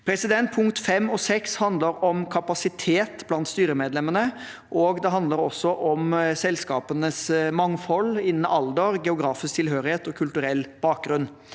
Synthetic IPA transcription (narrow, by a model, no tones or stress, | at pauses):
pʰɾɛsɪd̪ɛnt̪̚pʰʊŋkt̪fɛmːɔsɛkshɑnd̪ləɾɔmkʰɑpɑsɪt̪ʰeːt̪blɑnt̪st̪yːɾəmeːd̪lɛmənə | ʔɔɡd̪ɛɦɑnd̪ləɾɔsːɔʔɔmsɛlskɑːpənəsmɑŋːfɔlːɪnən̩ɑld̪əɾɡɛʊɡɾɑːfɪskt̪ʰɪlɦøːɾɪheːt̪ɔkʰʉlt̪ʉɾɛlːb̥ɑːk̚ɡɾʉn